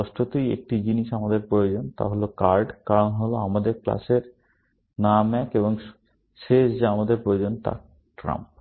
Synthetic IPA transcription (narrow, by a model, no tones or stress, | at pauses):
ɔʃʈʰot̪ejḛk̚ʈid͡ʑiniʃamad̪eɾpɾojod͡ʑont̪a̰ɦolokaɾɖkaɾonɦoloamad̪eɾkla̰ʃeɾ | namɛkeboŋ | ʃeʃd͡ʑaamad̪eɾpɾojod͡ʑont̪a̰ | ʈɾa̰mp̚